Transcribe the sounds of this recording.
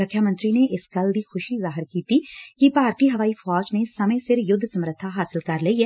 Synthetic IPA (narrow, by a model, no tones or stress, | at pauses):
ɾəkʰjaːmə̃nt̪ɾiːneːʔɪskəld̪iːxʰʊʃiːzaːɦɪɾkiːt̪iːkipaːɾʈiːɦəʋaːiːfʰɔːd͡ʒneːsəmẽsɪɾjʊd̪ʱːsəmɾət̪ʰːaɦaːsɪlkəɾləiːɛː